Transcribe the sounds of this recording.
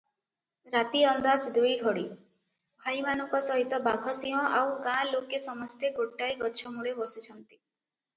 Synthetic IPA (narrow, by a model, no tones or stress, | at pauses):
ɾat̪iɔnd̪ad͡ʒd̪ujɡʱɔɽi | bʱajmanɔŋkɔsɔɦit̪ɔbaɡʱɔsĩɦɔ̃ʔawɡãlokesɔmɔst̪ʰeɡoʈːajɡɔt͡ʃʰɔmuɭebɔsit͡ʃʰɔnt̪i̥